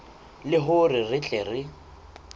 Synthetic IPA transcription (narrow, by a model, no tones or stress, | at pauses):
lɪɦʊrɪrɪt͡ɬʼɛrɪ